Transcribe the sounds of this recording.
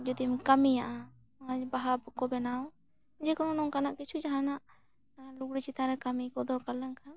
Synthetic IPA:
d͡ʒɔd̪imkamijaʔa | baɦabkɔbɛnaw | d͡ʒɛkɔnɔnɔŋkanaʔkit͡ʃʰud͡ʒaɦanaʔ | luɡɽit͡ʃit̪aɾɛkamikɔd̪ɔɾkalɛnkʰa

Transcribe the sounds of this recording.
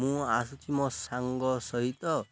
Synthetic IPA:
mũasut̪ʰimɔ̃saŋɡɔsɔɦit̪ɔ

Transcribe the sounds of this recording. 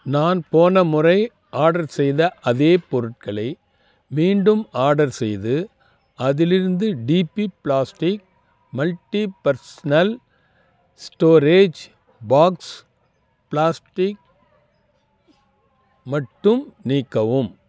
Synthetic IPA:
naːnpoːnɐmʊrɐɪ | ʔaːɽɐɾsɛjðɐʔɐðeːpɔɾɯʈ̚kɐɭɐɪ | miːɳɖɯmaːɽɐɾsɛjðɯ | ɐðɪlɪɾɯnd̪ɯɖiːpːipɭaːsʈɪk̚ | mɐlʈːipɐɾsɐnɐl | sʈoːɾeːd͡ʒ | baːks | pɭaːsʈɪk̚ | mɐʈːɯmniːkːɐʋɯm

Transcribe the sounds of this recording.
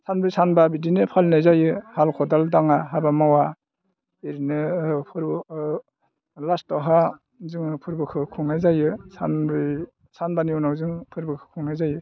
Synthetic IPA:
sanbɾisanbabidinɯpʰalnɯjzajɯhalkʰɔdaldaŋaɦabamawa | iɾinɯpʰɯɾb | lastɔɦa | zɯŋɯpʰɯɾbɯkʰɯkʰɯŋnajzajɯsanbɾi | sanbaniɔnawzɯŋpʰɯɾbɯkʰɯ̥kʰuŋnajzajɯ

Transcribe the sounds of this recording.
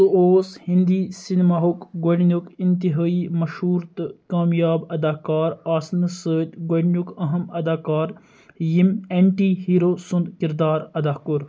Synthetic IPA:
suoːshind̪iːsinmaːɦukɡoɽnukint̪iɦaːiːmɐʃhuːɾt̪kaːmjaːbɐd̪aːkaːɾaːsnsəːt̪ɡoɖnʲukɐɦɐmɐd̪aːkaːɾ | jimeɳʈiːɦiːɾoːsund̪kiɾd̪aːɾɐd̪aːkuɾ

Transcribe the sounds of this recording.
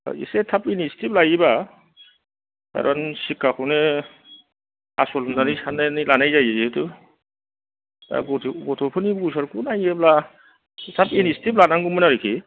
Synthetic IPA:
ḭsetʰapinisi̥tip̚lajiba | ka̰ɾʔɔnsikʰːakʰɔne | asɔlmdanijsananilanajzajazitu | a̰ɡɔtʰɡɔtʰɔpʰɯnibus̬aɾkʰunajebla | tʰapinisitiplanaŋɡumɯnaɾikʰi

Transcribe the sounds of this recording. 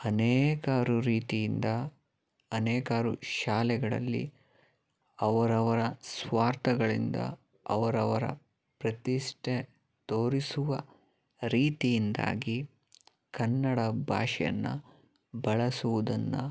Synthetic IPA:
ɐnɛːkaːɾuɾiːt̪ijind̪ɐː | nɛːkaːɾuʃaːlɛɡɐɭɐ̰lːḭ | ɐʋɐɾɐʋɐɾɐsʋaːɾt̪ɐɡɐɭind̪ɐ̰ | ɐʋɐɾɐʋɐɾɐ̰ | pɾɐt̪iʂʈʰe | t̪oːɾisuʋɐ | ɾiːt̪ijind̪a̰ːɡi | kɐnːɐɽɐbʱa̰ːʃɛjɐ̰nːɐ̰ | bɐɭɐsuʋud̪ɐnːu

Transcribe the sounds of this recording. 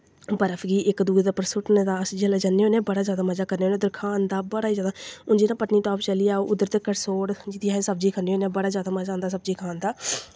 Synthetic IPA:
bəɾəfʰɡiːʔɪkd̪uːd̪epəɾsʊʈneːd̪aːsd͡ʒelɛd͡ʒanːeːoːnẽːbəɽaːzjaːd̪aːməzaːkəɾneːoːneːd̪əɾkʰaːnd̪aːbəɽaːiːzjaːd̪aːʊnd͡ʒiːnãːpəʈniːt̪õaːpt͡ʃəliːaːoːʔʊd̪əɾt̪əkːəɾsoːɽd͡ʒɪt̪iːaɦesəbd͡ʒiːkʰəneːoːnẽːbəɽaːzjaːd̪aːməzãːnd̪aːs̬əb̚d͡ʒiːkʰaːnd̪aː

